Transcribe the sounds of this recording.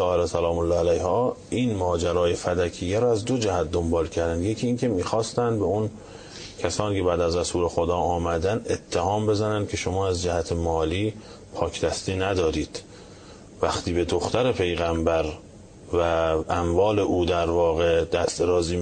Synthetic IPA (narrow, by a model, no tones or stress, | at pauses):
tɒːheɾesælɒːmolːɒːælæjhɒːʔiːnmɒːd͡ʒæɾɒːje̞fæd̪ækʰijːæɾɔæzd̪o̞d͡ʒæhæt̪̚d̪o̞mbɒːlcʰæɾd̪ænd̪jecʰiːcʰe̞miːxɒːst̪ænd̪beun | cʰæsɒːniːcʰe̞bæːd̪æzɾæsuːle̞xod̪ɒːɒːmæd̪ænet̪ʰːehɒːmbe̞zænænd̪̚kʰe̞ʃo̞mɒːæzd͡ʒæhæt̪ʰemɒːliː | pʰɒːkʰd̪æst̪iːnæd̪ɒːɾiːd̪̥ | væxt̪ʰiːbe̞d̪oxt̪æɾe̞pʰe̞jɣæmbæɾ | væʔæmvɒːle̞ʔuːd̪æɾvɒːɣed̪̥æst̪ɾɒːziː